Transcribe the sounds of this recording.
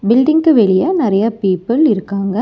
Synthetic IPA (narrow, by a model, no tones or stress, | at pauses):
bɪlɖɪŋkɯʋɛɭɪjɐnɪɾɐjɐpiːpːɯlɪɾɯkːaːŋɡɐ